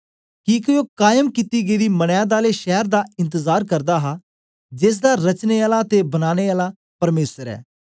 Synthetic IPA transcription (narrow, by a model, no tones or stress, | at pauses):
kikojoːkaːjəmkit̪iːɡəid̪iːmɐɽ̃jãːd̪aːleʃɛːɾd̪aɪ̃nt̪əzaːɾkɐɾd̪aːɦaː | d͡ʒeːs̬d̪aːɾɐt͡ʃneaːlat̪ebɐnaːneaːla | pɐɾmeːsəɾɛ̰ː